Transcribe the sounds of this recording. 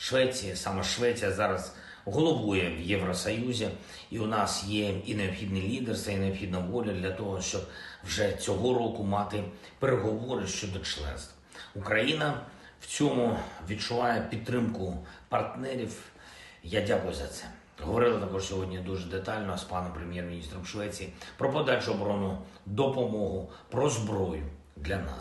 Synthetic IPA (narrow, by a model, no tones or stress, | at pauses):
ʃʋɛt͡sʲijɐsɑmɐʃʋɛt͡sʲijɐzɑɾɐz | ɦɔlˠɔʋujɛwjeʋɾɔsɔjuzʲi | iʊnɑsjɛineɔbxʲid̪nɪlʲid̪erst̪ʋɐineɔbxʲid̪nɐʋɔlʲɐd̪lʲɐt̪ɔɦɔʃt͡ʃɔb̚wʐɛt͡sʲɔɦɔɾɔkʊmɑt̪ɪ | peɾeɦɔʋɔɾɪʃt͡ʃɔd̪ɔt͡ʃlˠɛ̰nst̪ʋ | ʊkɾɐjinɐ | w̥t͡sʲɔmʊʋʲid̪̚t͡ʃʊʋɑjɛpʲid̪̚t̪ːɾɪmkʊpɐrt̪nɛɾʲiw | jadʲakʊjʊzɐt̪sɛ̥ | ɦɔʋɔɾɪlˠɐt̪ɐkɔʂsʲɔɦɔdʲnʲid̪uʒɛd̪et̪ɑlʲnɔspɑnɔmpɾemʲjɛrmʲinʲist̪ɾɔmʃʋɛt͡sʲijipɾɔpɔd̪ɑt͡ʃʊɔbɾɔnʊd̪ɔpɔmɔɦʊ | pɾɔzbɾɔjʊ | d̪lʲɐnɑ̰s